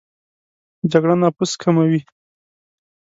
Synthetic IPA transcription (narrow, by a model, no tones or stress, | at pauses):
d͡ʒaɡɽanɑpuskʰamawi